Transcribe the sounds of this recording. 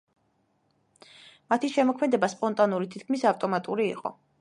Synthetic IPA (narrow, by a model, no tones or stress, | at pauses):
mat̪ʰiʃɛmɔkʰmɛd̪ɛbaspʼɔnt̪ʼanuɾit̪ʰit̪̚ʰkʰmisaft̪ʼɔmat̪ʼuɾḭːqʼɔ̰